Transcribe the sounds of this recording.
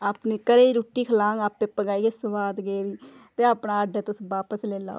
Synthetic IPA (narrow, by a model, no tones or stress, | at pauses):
aːpniːkəɾeːiɾuːʈːiːkʰəlãːŋaːpẽːpəɡaːiːɡeːsəʋaːd̪ɡeːʋiːt̪eːaːpnaːəɖaːt̪ʊsʋaːpəsleːla̰ː